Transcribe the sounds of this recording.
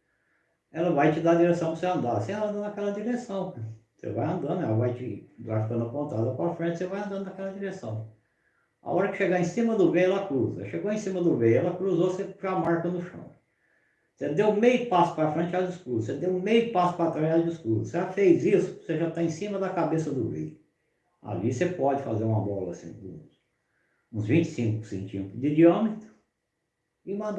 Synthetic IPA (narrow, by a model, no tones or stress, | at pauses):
ɛlɐvajt͡ʃɪd̪ad͡ʒiɾesɐ̃w̃pɾɐseɐ̃nd̪aseɐ̃nd̪ɐɐkɛlɐd̪iɾesɐ̃w̃ | sḛva̰jɐ̃nd̪ɐ̃nd̪ʊɛlɐvajt͡ʃɪd̪a̰ɾfi̥kɐ̃nd̪ɐpõnt̪ad̪ɐpɾafɾẽt͡ʃɪ̥sevajɐ̃nd̪ɐ̃nd̪ʊnɐkɛlɐd͡ʒiɾesɐ̃w̃ | a̰ɔɾɐkɪ̥ʃeɡaẽsĩmɐd̪ʊbejʊɛlɐkɾuzɐ̰ʃeɡoẽsĩmɐd̪ʊbejɛlɐkɾuzoseʒamaɾkɐnʊʃɐ̰̃w̃ | sed̪ewmejʊpasʊ̥pɐɾɐfɾẽnt͡ʃɪazʊskɾuzʊsed̪ewʊ̃mejpasʊ̥pɐɾat̪ɾaad͡ʒʊskɾuzʊseafejzisʊ̥seʒat̪aẽsĩmɐd̪ɐkabesɐd̪ʊvḛjʊ | a̰lisepɔd͡ʒɪfazeɾũmɐbɔlɐsḭ̃d̪ṵ̃s | ũzvĩnt͡ʃɪ̥sĩkʊsḛ̃nt͡ʃĩpd̪id͡ʒiɐ̃mɪt̪ɾʊ̥ | ɪmɐ̃d̪